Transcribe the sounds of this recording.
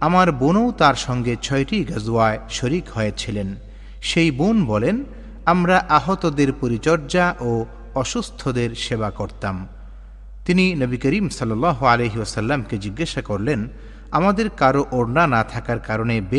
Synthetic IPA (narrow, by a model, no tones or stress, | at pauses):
amaɾbonowt̪aɾʃɔŋɡet͡ɕʰɔeʈiɡəzuaeʃoɾikɦɔet͡ɕʰilen | ʃejbonbɔlen | amɾaʔaɦot̪od̪eɾpoɾit͡ɕɔɾd͡ʑaʔo | ɔʃust̪ʰod̪eɾʃebakoɾt̪am | t̪ininəbikəɾimsɔlːalːaɦoalejɦiosəlːamked͡ʑiɡːaʃakoɾlen | amad̪eɾkaɾoʔoɾnanat̪ʰakaɾkaɾonebe